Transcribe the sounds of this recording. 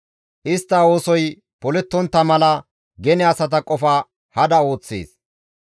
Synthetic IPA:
ʔɪst̪ːɐo̞ːsɔj | pɔlɛt̪ːɔnt̪ːɐmɐlɐ | ɡɛnɛɐsɐt̪̬ɐkʼɔfɐ | hɐd̪ɐo̞ːt͡sːḛːs

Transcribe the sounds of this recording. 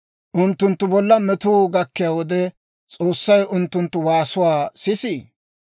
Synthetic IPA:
ʔʊnt̪ːʊnt̪ːʊbɔlːɐmɛt̪uːɡɐkːɪjaːwɔd̪ɛ | t͡sʼoːsːɐjʊnt̪ːʊnt̪ːʊwaːsʊwaːsɪsiː

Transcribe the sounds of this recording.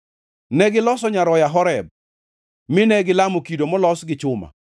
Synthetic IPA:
nɛɡɪlɔsɔɲaɾɔjaɦɔɾɛb̚ | mɪnɛɡɪlamokidomɔlɔsɡɪt͡ʃʊma̰

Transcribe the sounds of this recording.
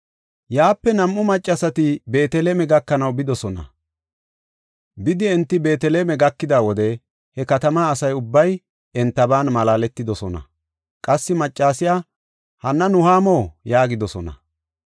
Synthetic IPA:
jaːpːɛnɐmʔʊmɐt͡ʃʼːɐsɐt̪ɪbe̞ːt̪ɛleːmɛɡɐkːɐnɐwbɪd̪ɔsɔnɐ̰ | bɪd̪ɪɛnt̪ːɪbe̞ːt̪ɛleːmɛɡɐkːɪd̪aːwɔd̪ɛ | hɛkɐt̪ɐmaːsɐjʊbːɐj | ɛnt̪ːɐbaːnmɐlaːlɛt̪ːɪd̪ɔsɔnɐ̰ | kʼɐsːɪmɐt͡ʃʼːaːsɪjaː | hɐnːɐnʊhaːmoːjaːɡɪd̪ɔsɔnɐ̰

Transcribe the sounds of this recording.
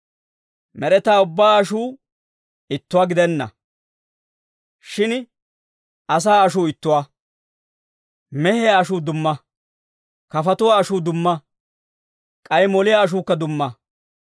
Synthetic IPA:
mɛɾɛt̪aːʊbːaːɐʃuː | ɪt̪ːʊwaːɡɪd̪ɛnːɐ̰ | ʃɪn | ʔɐs̬aːɐʃuːɪt̪ːʊwa | mɛhɛjaːʃuːd̪ʊmːɐ | kɐfɐt̪ʊwaːʃuːd̪ʊmːɐ | kʼɐjmɔlɪjaːʃ̬uːkːɐd̪ʊmːɐ

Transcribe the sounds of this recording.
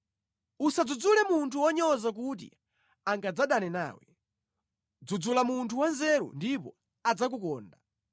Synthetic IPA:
usad͡zud͡zulɛmuntʰuwɔɲɔzak̬ut̬ḭ | aŋɡad͡zaɗanɛna̰ːwɛ | d͡zud͡zulamuntʰuwanzɛɾṵndipɔ̰ | ad͡zak̬ukɔːnda

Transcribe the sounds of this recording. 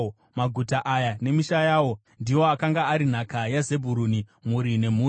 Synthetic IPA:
maɡʱutaʔajane̞miʃajaːwo̞ | ndiwo̞akaŋɡaːɾin̤akajaze̞bʱuɾunimuɾine̞m̤uː

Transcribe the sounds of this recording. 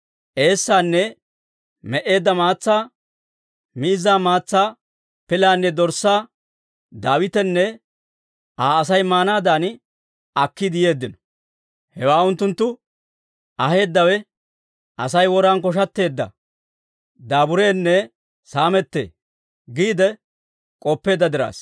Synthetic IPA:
ʔe̞ːsːaːnːɛ | mɛʔe̞ːd̪ːɐmaːt͡sːaː | miːzaːmaːt͡sːaː | pɪlaːnːɛd̪ɔɾsːaː | d̪aːwɪt̪ɛnːɛ | aːsɐjmaːnaːd̪aːn | ɐkːɪd̪ɪje̞ːd̪ːɪnɔ̥ | hɛwaːʊnt̪ːʊnt̪ːʊ | ʔɐhe̞ːd̪ːɐwɛ | ɐsɐjwɔɾaːnkɔʃ̬ɐt̪ːe̞ːd̪ːɐ̰ | d̪aːbʊɾe̞ːnːɛ | saːmɛt̪ːḛː | ɡiːd̪ɛ | kʼɔpːe̞ːd̪ːɐd̪ɪɾa̰ːs

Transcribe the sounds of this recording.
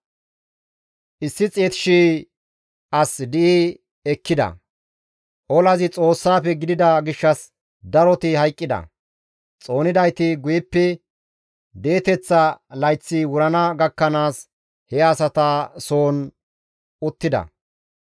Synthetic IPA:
ʔɪsːɪt͡sʼeːt̪ɪ̥ʃiː | ʔɐsd̪ɪʔi | ɛkːɪd̪ɐ̰ | ʔɔlɐzɪt͡sʼo̞ːsːaːpɛɡɪd̪ɪd̪ɐɡɪʃːɐs | d̪ɐɾɔt̪ɪhɐjkʼːɪd̪ɐ̰ | t͡sʼo̞ːnɪd̪ɐjt̪ɪɡʊjɪpːɛ | d̪e̞ːt̪ɛt͡sːɐlɐjt͡sːɪwʊɾɐnɐɡɐkːɐnaːs | hɛɐsɐt̪ɐso̞ːn | ʊt̪ːɪd̪ɐ̰

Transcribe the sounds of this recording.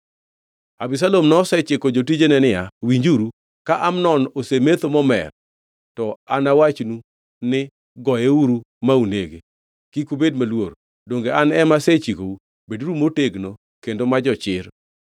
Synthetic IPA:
abis̬alomnɔsɛt͡ʃɪkod͡ʒotid͡ʒenɛnɪjawiɲd͡ʒuɾu | kaʔamnɔnosemet̪omɔmɛ̰r | tɔanawat͡ʃnu | nɪ | ɡɔjeuɾu | mauneɡe | kikubed̚malwoɾ | doŋɡeanɛmaset͡ʃikou | beduɾumoteɡno | kendomad͡ʒɔt͡ʃɪɾ

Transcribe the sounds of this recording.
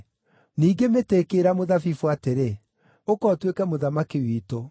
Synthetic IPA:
niːɡemeteːkeːɾamoðafifwateɾe | okɔtwekɛmoðamakewiːto

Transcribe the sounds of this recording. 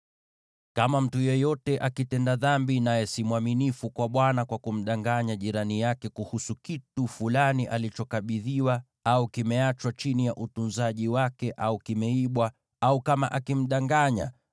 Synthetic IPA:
kamam̩tujɛjɔtɛʔakitɛndaðambinajɛsimwaminifukwaɓwanakwakum̩ɗaŋɡaɲaʄiɾanijakɛkuhusukitufulaniʔalit͡ʃɔkaɓiðiwa | aukimɛat͡ʃwat͡ʃinijaʔutunzaʄiwakɛʔaukimɛiɓwa | aukamaʔakim̩ɗaŋɡaɲa̰

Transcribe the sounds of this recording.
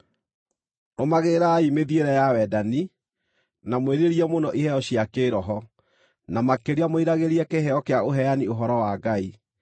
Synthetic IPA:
nomaɣeɾaimeðieɾɛjawɛdani | namweɾeɾiɛmonɔʔihɛɔɕjakeːɾɔɦɔ | namakeɾeamoiɾaɣeɾiɛkeɦɛɔkeaoɦɛjanioɦɔɾɔwaɡai

